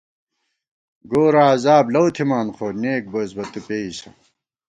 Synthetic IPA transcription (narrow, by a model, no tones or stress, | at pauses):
ɡoːɾaːzaːblɐwt̪ʰimaːnχʰoːneːk̚bozbɐt̪upeːisɐ̰